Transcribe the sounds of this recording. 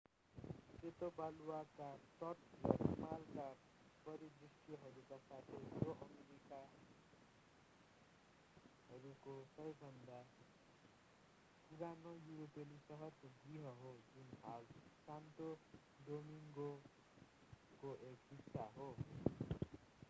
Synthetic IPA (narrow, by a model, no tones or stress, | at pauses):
set̪obaluwakat̪ʌt̪rʌimalka | pʌɾid̪risʈijʌɦʌɾukasat̪ʰejjoʔʌmeɾika | ɦʌɾukosʌjbʱʌnd̪a | kuɾanʌjuɾopelisʌɦʌt̪ɡriɦʌɦod͡zunɦalsant̪o | domiŋɡo | koʔekɦiksaɦo